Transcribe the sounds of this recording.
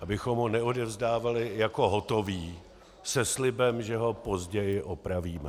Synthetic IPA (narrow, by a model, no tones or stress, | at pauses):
ʔabɪxo̞mɦonɛodɛvzdaːvalɪjako̞ɦot̪o̞viː | sɛslɪbɛmʒɛɦo̞po̞zɟɛjɪʔopɾaviːmɛ